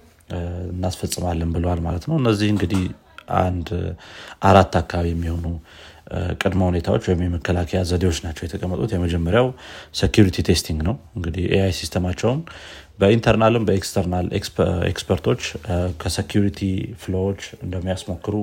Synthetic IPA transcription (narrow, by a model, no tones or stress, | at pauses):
ɨnːasfəsʼɨmalːənbɨləwalmalət̪nəwɨnːəzːihɨŋɡɨd̪ih | ʔa̰nd̪ʔaɾat̪ːakʰːaaβjɛmːiho̞nu | kʼɨd̪məhune̞t̪ʰawo̞t͡ʃːwɔjɪmːɛməkʰːəlakʰəjazəd̪ewo̞t͡ʃːnat͡ʃːɛwjɛt̪ʰəkʼəmːət̪ʼut̪jɛməd͡ʒɛmːəɾjawsekjuɾit̪ʰit̪ʰe̞st̪ʰiŋɡnəwɨŋɡɨd̪ihʔeajsist̪ʰəmat͡ʃːɛwn | bəint̪ʰəɾnalɨmbəekst̪ʰəɾnalḛksḛkspʰəɾt̪ʰo̞t͡ʃːkʰəsekjuɾit̪ʰiflowot͡ʃːɨnd̪əmːijasmo̞kːɨɾu